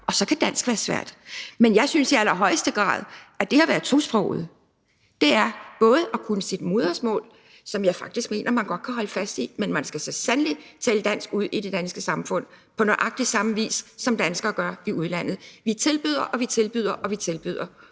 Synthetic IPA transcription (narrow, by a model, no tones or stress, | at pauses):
ɒ̽sɒ̽kʰæd̥æn̰sɡ̥ʋæːɐsʋæɐ̰d̥menjɑ̈ɪsynsiælɐɦɒ̽ɪ̰əsd̥əɡ̥ʁɑ̰̈ːð̞ˠæd̥e̝hɑ̈ʋæːɐð̩ˠt͡sʰosb̥ʁɔ̰ʊ̰ð̩ˠ | d̥e̝æɐb̥ɔ̽ːð̞̩ˠʔɒkʰunəsid̥mo̝ːð̞ˠɐsmɔ̰ːl | sɒ̽mjɑ̈ɪfɑ̈ɡ̥̚d̥isɡ̥me̝̰ːnɐmænɡ̥ɒ̽d̥̚kʰæɦɒ̽ləfæsd̥imenmænsɡ̥æsesænli̥t͡sʰɛːləd̥æn̰sɡ̥uð̞̰ˠid̥e̝d̥ænsɡ̥əsɑ̈mfɔ̽n̰ | pʰɒ̽noʔɑ̈ɡ̥̚d̥isɑ̈məʋḭːsːɒ̽md̥ænsɡ̥ɐːɡ̥ɶɐiuð̞ˠlæn̰ð̩ˠʋit͡sʰe̝lb̥yð̞̰ˠɐʔɒ̽ʋit͡sʰe̝lb̥yð̞̰ˠɐʔɒ̽ʋit͡sʰe̝lb̥yðˠɐ